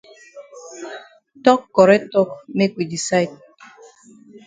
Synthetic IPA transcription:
tɔ˦kːɔ˨ɾɛ˦tɔ˦kme˦kwi˨di˨sa˦jt̚

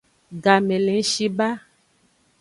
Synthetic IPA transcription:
ɡa˨mẽ˨lẽ˨˦ʃi˦ba˦

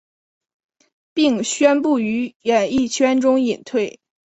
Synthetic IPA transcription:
pi˥˧ŋɕɥɛ˥npu˥˩y˧˥jɛ˨˩ni˥˩t͡ɕʰɥɛ˥nʈ͡ʂʊ˥ŋi˨˩nt̪ʰwe˥˩ɪ

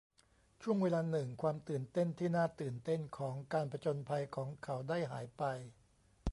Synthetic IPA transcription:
t͡ɕʰu˥˩əŋweː˧laː˧nɯ˨˩ŋkʰwaː˧mt̪ɯː˨˩nt̪e˥˩nt̪ʰiː˥˩naː˥˩t̪ɯː˨˩nt̪e˥˩nkʰɔː˩˦ŋkaː˧npɾa˧t͡ɕo˧npʰa˧jkʰɔː˩˦ŋkʰa˩˦˥wdaː˥˩jɦa̰ː˩˦jpa˧j

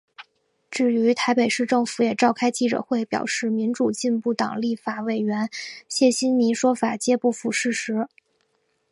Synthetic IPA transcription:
ʈ͡ʂɻ̩˥˩y˧˥t̪ʰa˧˥ɪpe˨˩ɪʂɻ̩˥˧ʈ͡ʂɤ˥˩ŋfu˧˥jɛ˨˩ʈ͡ʂɑ˥˩ʊkʰa˥ɪt͡ɕi˥˩ʈ͡ʂɤ̰˨˩xwe˥˩ɪpjɑ̰˨˩ʊʂɻ̩˥˩mi˧˥nʈ͡ʂu˨˩t͡ɕi˥˧npu˥˩t̪ɑ̰˨˩ŋli˥˩fa˨˩we˨˩ɪɥɛ˧˥nɕjɛ˥˩ɕi˥nni˧˥ʂwɔ˥fa˨˩t͡ɕjɛ˥pu˥˩fu˨˩ʂɻ̩˥˩ʂɻ̩˧˥

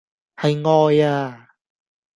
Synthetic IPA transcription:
hɐ˨jŋɔː˨˧jaː˧

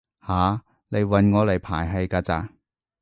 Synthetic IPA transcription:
haː˨˧˦ | le˨˧jwɐ˨˧nŋɔː˨˧lɐ˨˩jpʰaː˨˩jɦɐ˨˧jkaː˧t͡sa̰ː˧

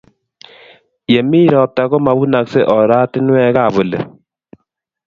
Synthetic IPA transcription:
je˨mi˦ɾɔ˨p̚ta˨kɔ˦ma˨bu˦na˨kse˦ʔɔ˨ɾa˦tɪ˦nwɛ˦ka˦˨βo˨lḛ˨

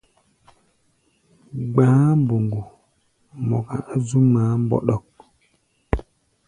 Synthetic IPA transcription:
ɡ͡bãː˦mbo˨ŋɡo˨ | mɔ˨ka˨ʔa˦zu˦maː˨˦m˦bɔ̰˦ɗɔ˦˨k̚

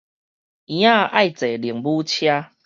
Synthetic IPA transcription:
ĩ˨˦ã˦˧a˥˨jt͡se˨˩lji˨əŋbu˦t͡ɕʰja˦

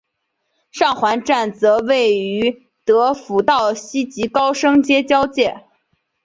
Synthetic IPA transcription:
ʂɑ˥˩ŋxwa˧˥nʈ͡ʂa˥˩nt͡sɤ˧˥we˥˩ɪy˧˥ | t̪ɤ˧˥fu˧˥t̪ɑ˥˩ʊɕi˥t͡ɕi˧˥kɑ˥ʊʂɤ˥ŋt͡ɕjɛ˥t͡ɕjɑ˥ʊt͡ɕjɛ˥˩

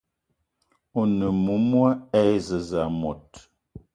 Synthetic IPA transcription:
o˨nə˨mu˨˦mwa˦ɛ˦jzə˨za˨mɔ˨t̚

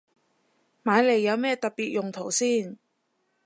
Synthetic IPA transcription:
maː˨˧jle˨˩jːɐ˨˧wmɛː˥t̪ɐ˨t̚piː˨t̚jʊ˨˩ŋt̪ʰo˨˩wsiː˥˩n

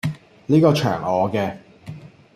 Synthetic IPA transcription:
liː˥kɔː˧t͡ʃʰœ̰ː˨˩ŋɔː˨˧kɛː˧

